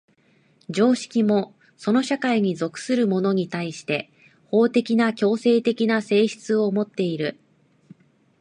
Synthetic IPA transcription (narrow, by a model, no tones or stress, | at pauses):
d͡ʑo̞ːɕi̥kʲimo̞ | so̞no̞ɕakaiɲ̟izo̞kɯ̟̥sɨɾɯ̟mo̞no̞ɲ̟it̪aiɕi̥t̪e̞ | ho̞ːt̪e̞kʲinakʲo̞ːse̞ːt̪e̞kʲinase̞ːɕi̥t͡sɨo̞mo̞t̪ːe̞iɾɯ̟